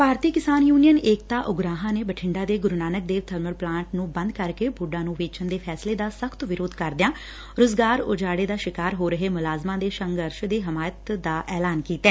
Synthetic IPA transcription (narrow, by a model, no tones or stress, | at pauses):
paːɾt̪iːkɪsaːnjuːnijəneːk̚t̪aːʔʊɡɾaːɦãːneːbəʈʰɪɳɖaːd̪eːɡʊɾnaːnək̚d̪eːʋt̪ʰəɾməɾplãːɳʈnũːbə̃nd̪kəɾkeːbʊɖãːnũːʋeːt͡ʃənd̪eːpʰɛːsleːd̪aːsəkʰt̪ʋɪɾoːd̪kəɾd̪ɪjãː | ɾoːzɡaːɾʊ̰d͡ʒaːɽeːd̪aːʃɪkaːɾɦoːɾəɦeːmʊlaːzmãːd̪eːʃəŋɡəɾʃd̪iːɦɪmaːjət̪d̪aːʔɛːlaːnkiːt̪ɛː